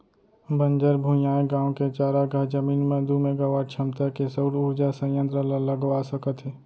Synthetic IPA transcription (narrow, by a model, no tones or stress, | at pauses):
bə̃nd͡ʒəɾbʱũjaːeɡãːõket͡ʃaːɾaɡad͡ʒəmiːnməd̪umẽɡɐʋaːɾt͡ʃʰəmt̪əkesoːɾuːɾd͡ʒasə̃jə̃nt̪ɾələləɡʋasəkət̪ɦeː